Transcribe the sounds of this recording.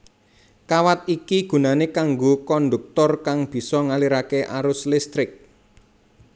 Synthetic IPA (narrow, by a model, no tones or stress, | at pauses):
kawat̪̚ikiɡ̥ṳnanekaŋɡokɔnd̪uk̚t̪ɔrkaŋb̥i̤sɔŋaliɾakeʔaɾʊslɪst̪ɾɪk̚